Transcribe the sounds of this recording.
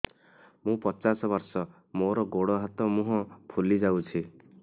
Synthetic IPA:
mũpɔt͡ʃasɔbɔɾsɔ | moɾɔɡoɽɔɦat̪ɔmũɦɔ̃pʰulid͡ʒawt͡ʃʰi

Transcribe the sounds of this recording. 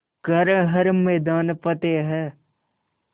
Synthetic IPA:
ɡəɾɦəɾmɛːd̪aːnpət̪eɦɛː

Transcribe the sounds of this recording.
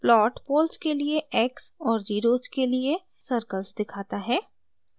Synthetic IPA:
plɔːʈpoːlskelieɛːksɔːɾd͡ʒiːɾoːzkelie | səɾkəlsd̪ɪkʰaːt̪aɦɛː

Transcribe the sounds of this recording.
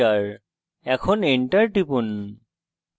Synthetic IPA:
aɹ | ɛkʰɔniɳʈaɹʈipun

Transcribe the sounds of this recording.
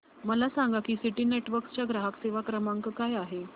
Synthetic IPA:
məlasaŋɡakiːsiʈiːneʈʋəɾkst͡ɕjaɡɾaɦakseʋakɾəmaŋkəkajaɦe

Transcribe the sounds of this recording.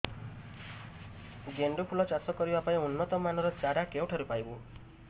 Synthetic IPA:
ɡeɳɖupʰulɔt͡ʃasɔkɔɾibapaĩunːɔt̪ɔmanɔɾɔt͡ʃaɾakewʈʰaɾupajbu

